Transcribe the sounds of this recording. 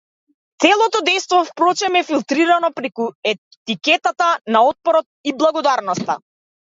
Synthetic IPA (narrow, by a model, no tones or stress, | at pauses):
t̪sɛlˠɔt̪ɔd̪ɛjst̪vɔfpɾɔt͡ʃɛmɛfilˠt̪ɾiɾanɔpɾɛkuɛ | t̪ikɛt̪at̪anaɔt̪̚pɔɾɔt̪̚iblˠaɡɔd̪aɾnɔst̪a̰